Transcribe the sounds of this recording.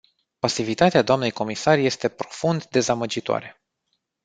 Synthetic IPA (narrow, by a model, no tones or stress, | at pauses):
pasivit̪at̪ead̪oamne̞jko̞misarje̞st̪e̞pɾo̞fund̪d̪e̞zaməd͡ʒit̪oa̰ɾe̞